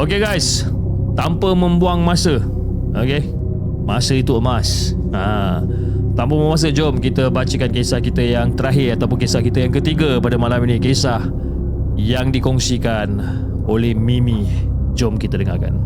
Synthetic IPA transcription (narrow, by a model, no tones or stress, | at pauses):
okeɡajs | t̪ampəmə̃mbuaŋmãsə | oke | masəit̪uəmas | ã | t̪ampəməmas̬əd͡ʒɔmkit̪əbat͡ʃəkankesahkit̪əjaŋt̪əɾaɦɪrat̪awp̬ʊnkesahkit̪əjaŋkət̪iɡəpadəmalaminĩkesah | jaŋdikɔŋsikan | olɛhmĩmĩ | d͡ʒɔmkit̪ədəŋa̰ka̰n